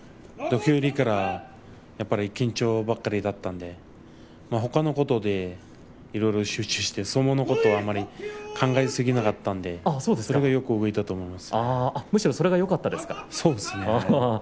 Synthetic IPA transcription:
d̪o̞kʲɨːɾʲikaɾa | japːaɾʲiːkʲĩɲ̟t͡ɕo̞ːbakːaɾʲid̪at̪ːãnd̪e̞ | maɦo̞kano̞ko̞t̪od̪e̞ | iɾo̞iɾo̞ɕɨːt͡ɕɨɕi̥t̪e̞so̞monoko̞t̪o̞ːamːaɾʲikʰãŋɡaisɨɡʲinakat̪ːãnd̪e̞asoːd̪eso̞ɾe̞ɡajo̞kɯ̟oɡoit̪at̪oːmo̞imasɨ̥aamɯ̟ɕiɾo̞soɾe̞ɡajo̞kat̪ːad̪e̞sɨ̥kḁso̞ːd̪esɨne

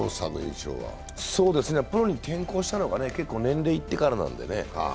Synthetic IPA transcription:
osaɡɯḭ̃t͡ɕo̰ːβa̰ | so̞ːd̪e̞sɨnepɯ̟ɾo̞ɲ̟it̪ʰẽ̞ŋko̞ːɕi̥t̪ano̞ɡane̞ke̞kːoːnẽ̞nɾe̞ːit̪ːe̞kaɾanã̰nd̪e̞̰ne̞̰h

